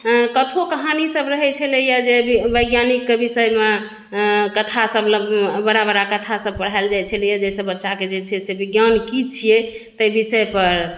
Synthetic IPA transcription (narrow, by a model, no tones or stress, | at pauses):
kət̪ʰokəɦanisəbɾəɦɛt͡ʃʰɛlejad͡ʒebəjɡjanikːebisəjme | kət̪ʰasəbləbbəɾabəɾakət̪ʰasəb̚pəɽ̤aeld͡ʒajt͡ʃʰəlɛjad͡ʒesəbətːʃaked͡ʒet͡ʃʰɛsebiɡjankit͡ʃʰije | t̪əjbisəepəɾ